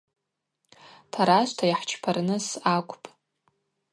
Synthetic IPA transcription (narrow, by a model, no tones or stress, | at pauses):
tʰaɾaʃʷtʰajħt͡ʃʰpʰarnɨsakʷʼpʼ